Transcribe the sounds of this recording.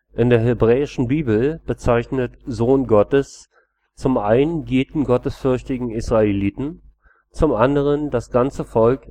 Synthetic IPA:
ʔɪndeːɐɦebʁɛːɪʃn̩biːbl̩b̥ət͡saɪçnətzoːnɡɔtəs | t͡sʊmʔaɪnənɡeːtn̩ɡɔtəsfʏɐçtɪɡŋ̩ɪsʁ̥aeliːtn̩ | t͡sʊmʔandəʁ̞ənd̥asɡ̥ant͡səfɔlk

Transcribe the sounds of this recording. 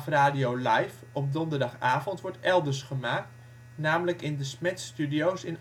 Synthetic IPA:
fraːdiowlɛjf | ɔp̚dɔndərdɑχaːvɔntʋɔɹtɛlˠdərsχəmaːk̚t | naːmələkɪndəsmɛtstydiowsɪn

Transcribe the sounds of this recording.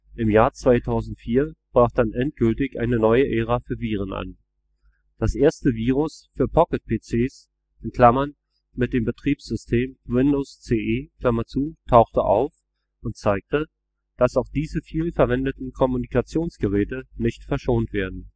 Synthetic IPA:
ʔɪmjaːɐt͡sv̥aɪtʰaʊzn̩tfiːɐb̥ʁaːχd̥anʔɛnt̚ɡ̥ʏltɪçʔa̰ɪnənɔʏəʔeːʁ̞afyːɐviːʁ̞ənʔa̰n | d̥asʔeːɐstəviːʁ̞ʊsfyːɐpʰɔkət̚pʰeːt͡seːs | ʔɛnkl̥amɐn | mɪt̚d̥eːmbətʁ̥iːpsz̥ʏstʰeːmwɪndoːst͡seːʔeːkl̥amɐt͡suːtʰaʊxtəʔa̰ʊf | ʔʊnt̚t͡saɪk̚tə | d̥asaʊxd̥iːzəfiːlfɛɐvɛndətn̩kʰɔmunikat͡sjoːnsɡ̥əʁɛːtənɪçtfɛɐʃoːntv̥eːɐdn̩

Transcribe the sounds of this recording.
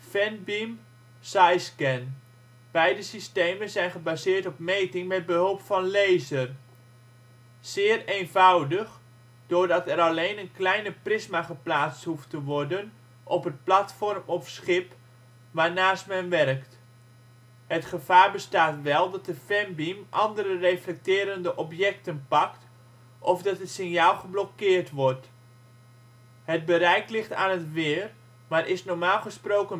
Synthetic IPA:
fɛnbim | sajskɛn | b̥ɛjdəsisteːmənzɛjnχəbaːzɪːɹtɔpmejtɪŋmɛd̚bəɦolˠpfɑnlejzər | z̥ɪːreːnvawdəχ | d̥ʊːɹdɑtɛɾɑlejnənklɛjnəprɪzmaχəplaːt͡sthuftəʋɔrdən | ʔɔpət̚platfɔrmɔfsχɪp | ʋaːrnaːstmɛnʋɛrkt | hətχəfaːrbəstaːtʋɛlˠdɔt̚dəfɛmbimʔɑndərəreflɛk̚tɪːɾəndəʔɔpjɛk̚tənpɑkt | ʔɔfdɑtɦətsɪnjaːlˠχəblɔkɪːrtʋɔrt | hət̚bəɾɛjklɪχtaːnɦətʋɪːr | maːrʔɪsnɔɹmaːlˠχəsproːkən

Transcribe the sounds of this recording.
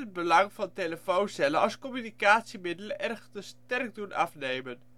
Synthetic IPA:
əbəlɑŋvɑnteləfownsɛləɑ̰lˠskɔmynikaːtsimɪdələʔɛrχtəstɛrk̚dunʔɑ̰fnejmən

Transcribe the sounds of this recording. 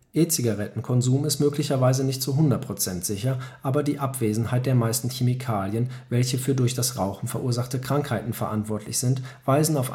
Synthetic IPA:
ʔeːt͡siɡaʁɛtn̩kʰɔnzuːmɪstmøːklɪçɐvaɪzənɪçtt͡suɦʊndɐt̚pʁ̥ot͡sɛntz̥ɪçɐʔaːbɐdiːʔapv̥eːzn̩haɪt̚d̥eːɐmaɪstn̩çemikʰaːljənvɛlçəfyːɐdʊɐçd̥asʁaʊxn̩fɛɐʔuːɐzaχtəkʁ̥aŋkhaɪtn̩fɛɐʔantv̥ɔɐtʰlɪçz̥ɪntv̥aɪzn̩aʊf

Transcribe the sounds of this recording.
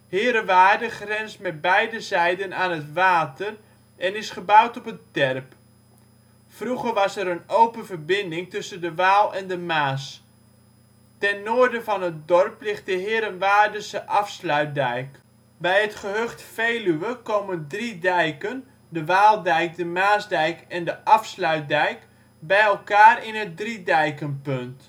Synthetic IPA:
hɪːɾənʋaːrdəχrɛnstmɛt̚bɛjdəzɛjdənaːnətʋaːtər | ʔɛnɪsχəbawtɔpəntɛrp | fruɣərʋɑsɛɾənowpənvərbɪndɪŋtɵsəndəʋaːlˠɛndəmaːs | tɛnːoərdəvɑnɦət̚dɔrplɪχt̚dəɦɪːɾənʋaːrdəsəʔɑfslœɥt̚dɛjk | bɛjətχəɦøχtfejlyʋəkowməndridɛjkən | dəʋaːlˠdɛjk̚dəmaːzdɛjkɛndəʔɑfslœɥt̚dɛjk | bɛjɛlˠkaːrɪnət̚dridɛjkənpønt

